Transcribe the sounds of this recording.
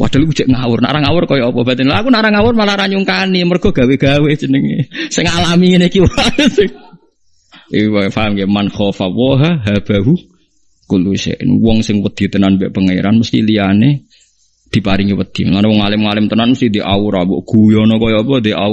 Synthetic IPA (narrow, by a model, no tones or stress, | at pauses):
wa̰d̥̪a̤luɡu̥d͡ʒ̥ɛʔŋawʊrna̰ʔɾaŋawʊrkɔjɔɔpɔb̥at̪ənlaːkunaɾaŋawʊrmalaɾaɲuŋkanimərɡ̥ɔ̤ɡ̥a̤weɡ̥awed͡ʒənəŋesɪŋalamiŋenekiwasɪŋ | iwfaɦamkjamanxɔfawɔɦaɦab̥a̤ɦu | kulusḛʔn̰wɔŋsɪŋwəd̪̥i̤t̪ənanbɛʔpəŋaḭɾanməst̪ḭlijane | d̪̥i̤paɾɪŋiwəd̪̥ilanwɔŋːalɪmŋalɪmt̪ənanməst̪id̪iʔawʊɾawɔ̰ʔɡ̥ujɔnɔkɔjɔɔpɔd̪iʔa̰wʊ